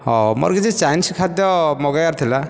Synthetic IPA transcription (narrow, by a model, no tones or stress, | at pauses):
ɦɔmɔ̰ɾɡid͡ʒit͡ʃajnskʰad̪jɔmɔɡajaɾt̪ʰila